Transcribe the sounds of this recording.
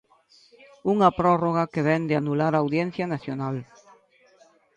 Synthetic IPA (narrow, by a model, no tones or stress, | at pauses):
uŋapɾɔroɣakeβɛnd̪ɪanulaɾaːwðjɛn̟θjanaθjonal